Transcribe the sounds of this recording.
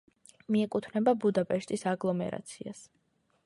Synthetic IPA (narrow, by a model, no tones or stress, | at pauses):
miɛkʼut̪ʰvnɛbabud̪apʼɛʃt̪ʼisaɡlˠɔmɛ̰ɾa̰t̪sʰias